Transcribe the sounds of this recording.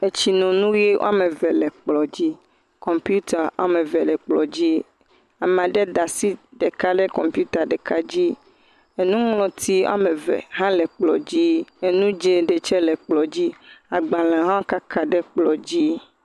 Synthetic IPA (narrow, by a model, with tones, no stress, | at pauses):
e˨t͡ʃi˨nɔ̃˨nũ˦je˦wo̰˦a˦mẽ˨vɛ˨lɛ˨k͡plɔ˨d͡ʑi˦ | kɔ˨mpju˦t̪a˨ʔa̰˨mɛ̃˨vɛ˨lɛ˨k͡plɔ˨d͡ʑi˦ | a˨m˨ã˨ɖɛ˦d̪a˨si˦ɖɛ˨ka˦ɖɛ˦kɔ˨mpju˦t̪a˨ɖɛ˨ka˦d͡ʑi˦ | e˨nũ˦mlɔ̃˨t̪ʰi˦w̰a̰˦me˨vɛ̰˨ɦã˦lɛ˨k͡plɔ˨d͡ʑi˦e˨nũ˦d͡ʒe˦ɖe˨t͡ʃɛ˦lɛ˨k͡plɔ˨d͡ʑi˦a˨ɡ͡ba˨lɛ˨ɦã˦wo˦ka˦kʰa˦ɖɛ˦k͡plɔ˨d͡ʑi˦